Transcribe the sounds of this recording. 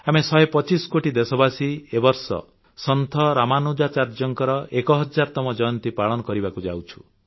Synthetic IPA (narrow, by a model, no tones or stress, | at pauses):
amesɔjepɔt͡ʃiskoʈid̪esɔbasiebɔɾsɔ̰ | sɔnt̪ʰɔɾamanod͡ʒat͡ʃaɾd͡ʒɔŋkɔɾɔʔekɔɦɔd͡ʒaɾt̪ɔmɔd͡ʒɔjɔnt̪ipaɭɔnɔkɔɾibakud͡ʒa̰wt͡ʃʰu̥